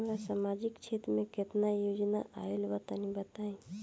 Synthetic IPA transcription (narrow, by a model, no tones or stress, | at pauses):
mɾasamad͡ʒɪkt͡ʃʰet̪ɾmẽket̪najod͡ʒnaʔa̰elbət̪anĩbət̪aẽ